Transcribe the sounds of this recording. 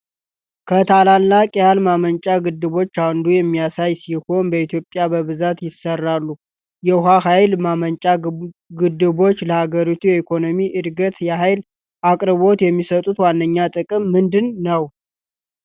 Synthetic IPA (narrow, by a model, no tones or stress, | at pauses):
kʰət̪ʰalalːakʼjalmamənt͡ʃʼaɡɨd̪ːɨβo̞t͡ʃːand̪ujɛmːijasajsiho̞nbəit̪ʰjo̞pʼːjabəβɨzat̪jɪsərːalːu | jɛɦaɦajlmamənt͡ʃʼaɡɨd̪ɨβo̞t͡ʃːləhaɡəɾit̪ʰujɛikʰo̞no̞miʔɨd̪ɡət̪jɛɦajl | ʔakʼɾɨβo̞t̪jɛmːisət̪ʼut̪wanːəɲːat̪ʼɨkʼɨmːɨnd̪ɨnːəw